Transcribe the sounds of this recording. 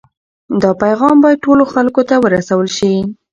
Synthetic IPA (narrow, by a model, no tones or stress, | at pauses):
d̪ɑpajɣɑmbɑjad̪̚ʈoloxalkot̪awəɾasawəlʃi